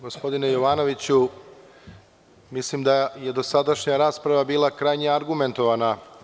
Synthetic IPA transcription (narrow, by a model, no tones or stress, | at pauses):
ɡo̞spo̞d̪ine̞jo̞ʋaːno̞ʋit͡ɕu | mislimd̪aje̞d̪o̞sad̪aʃɲaɾaːspɾaʋabiːlˠakɾajɲeaɾɡume̞nt̪o̞ʋana